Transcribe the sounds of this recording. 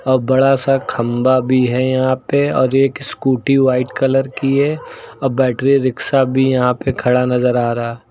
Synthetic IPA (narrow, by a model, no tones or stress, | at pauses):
ɔːɾbɐɽasakʰɐ̃mbabʱiɦɛjɐɦãpeɔ̰ːɾeːkskuːʈiʋaːɪʈkɐləɾkiɦɛɔːɾbɛːʈɾiɾɪksabʱijɐɦãpekʰɐɽanɐzəɾaːɾa